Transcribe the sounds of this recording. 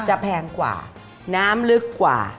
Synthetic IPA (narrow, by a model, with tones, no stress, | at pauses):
t͡ɕa˨˩pʰɛː˧ŋkwa̰ː˨˩ | naː˦˥mlɯ˦˥kːwa̰ː˨˩